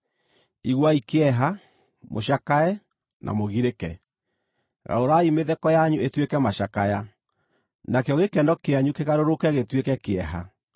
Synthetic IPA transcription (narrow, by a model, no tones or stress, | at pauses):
iɣwaikeɛɦa | moɕakaɛ | nʔa̰moɣiɾekɛ | ɣa̰oɾaimeðɛkɔjaɲuetwekɛmaɕakaja | nakeɔɣekɛndɔkeaɲukeɣaɾoɾokɛɣetwekɛkeɛɦa̰